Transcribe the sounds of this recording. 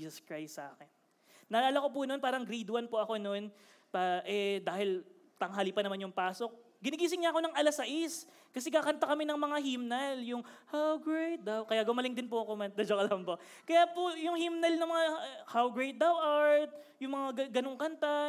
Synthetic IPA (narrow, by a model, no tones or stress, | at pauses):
iːsɐskɹajst̪sɐ̰ʔa̰ːkɛnː | ɐlaːlɐko̞p̬ʊnonpaːɾɐŋɡɾid̪wɐnpoɐko̞no̞n | paʔɛd̪aːhɪl | t̪ɐŋɦaːlipɐnɐmanjʊŋpaːso̞k̚ | ɡɪnɪɡiːs̬ɪŋɲaʔɐko̞nɐŋʔɐlasɐʔis | kɐsɛɡaːkɐnt̪ɐkɐmɛnɐŋmɐŋaɦimnɐljʊŋhawɡɹejt̪̚d̪ɐwkɐjaɡʊmɐlɪŋd̪ɪnpʊɐkomɛnd̪ɐd͡ʒokɐlɐmbo | kɐjaːpojʊŋhimnɐlnɐŋmɐŋahawɡɹejt̪̚d̪ɐwʔaɹt̪̚jʊŋmɐŋaɡɐnoŋkɐnt̪a